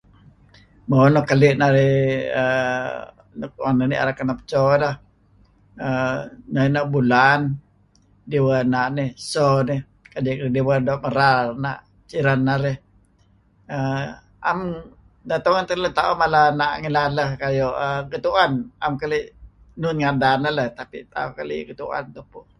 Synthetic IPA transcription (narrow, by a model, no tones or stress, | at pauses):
monɔkalɪʔnaɾɪhə̰ | nkanənḭʔa̰ɾakanapə̥t͡ʃɔlah | ənanaʔbulan | diwanaʔnɪhsonɪh | kadɪʔklidiwadɔʔməɾarna̰ʔ | t͡ʃiɾanːaɾɛh | ə | am | dat̪oŋant̪ələt̪aumalanaʔŋilaləhkajoʔəɡət̪uana̰mkaliʔ | nʊnŋadanələht̪apit̪a̰ukalḭɡət̪uʔa̰nt̪upʊ